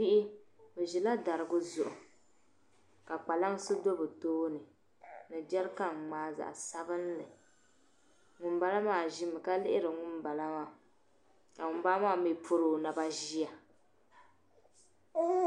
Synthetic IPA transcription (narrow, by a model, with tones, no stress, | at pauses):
pi˦ʔi˦bɨ˨ʒi˨la˦da˨ɾɨ˨ɡʊ˦zʊ˨ʔʊ˨ | ka˨k͡pa˨la˦ŋ˦sɨ˦do˦bɨ˨toː˦nɨ˨ | nɨ˨d͡ʒɛ˦lka˦ŋ˨ŋ͡maː˨˦za̰˨ʔsa˦bɨ˦n˦lɨ˨ | ŋʊ˨mba˦la˦maː˨ʒi˦mɨ˨ka˦lɪ˦ʔɪ˦ɾɨ˨ŋʊ˦mba˨la˦maː˨ | ka˨ŋʊ˨m˦ba˦a˦maː˦mi˦˨pʰʊ˦ɾoː˨na˨ba˦ʒi˦a˨˦